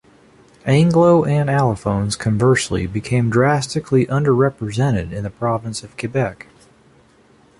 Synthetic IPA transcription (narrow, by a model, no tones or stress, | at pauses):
æ̃ŋɡloʊʔɨ̃nælˠəfõʊ̃nz̥kʰɨ̃ɱvɜ˞sl̩ˠḭbɨkʰẽɪ̃mdɹæstɨkʰliʔʌ̃ndə˞ɹɛpɹɨzɛ̃ɾ̃ɨɾɨ̃nðɨpʰɹ̥ɑvɨ̃nsʌv̥kʰɨbɛk